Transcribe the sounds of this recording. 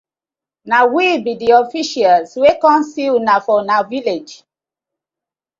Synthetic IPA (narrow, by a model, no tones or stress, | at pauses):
nawibidiɔfiʃalswekɔ̃nsilnafɔnaviled͡ʒ